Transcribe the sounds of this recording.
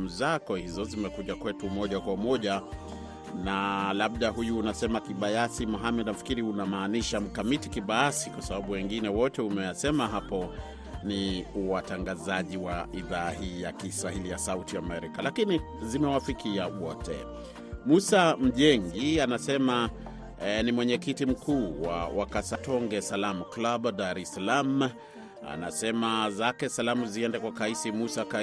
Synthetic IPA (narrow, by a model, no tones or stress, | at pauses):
m̩zakɔhizɔzimɛkuʄakwɛtumɔʄakwaumɔʄa | nalab̚ɗaɦujuːnasɛmakiɓajasimɔɦamɛdnafi̥kiɾiunamaːniʃam̩kamitikiɓajasikwasaɓaɓuwɛŋɡinɛwɔtɛumɛjasɛmaɦapɔ | niuwataŋɡazaʄiwaiðaːhiːjakiswahilijasautiamɛɾikalakini | zimɛwafikiawɔtɛ̰ | musam̩ʄɛŋɡianasɛma | nimwɛɲɛkitim̩kʰuːwa̰wakasatɔŋɡɛsalamuklabdaɾɛsalam | a̰nasɛmazakɛsalamuziɛndɛkwakaisimusaka